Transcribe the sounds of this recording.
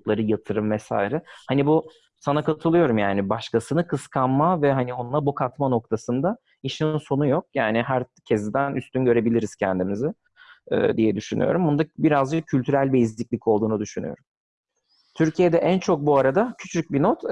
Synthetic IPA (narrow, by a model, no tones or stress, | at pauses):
t̪lˠaɾɯjat̪ʰɯɾɯmvɛsa̰ːjɾɛhanibu | sanakat̪ʰɯlˠɯjo̞ɾumjaːnibaʃkasɯnɯkʰɯskʰanmavɛɦanio̞nlˠabukʰat̪mano̞k̚t̪ʰasɯnd̪a | iʃinso̞nujo̞k̚jaːnɪɦæɾcʰɛzd̪ænʔyst̪ynɟø̞ɾe̞bilʲiɾiz̥cʰɛnd̪imizɪ | ɛ̰ːd̪ijɛd̪yʃyny̰jo̞̰ɾumbund̪abiɾazd͡ʒɯk̚cʰylʲt̪yɾælʲbɛizlʲicʲlʲicʰo̞lˠd̪uːnud̪yʃyny̰jo̞̰ɾum | t̪ʰyɾcʰijɛd̪ɛʔænt͡ʃʰo̞k̚buaɾad̪acʰy̥t͡ʃʰyc̚binot̪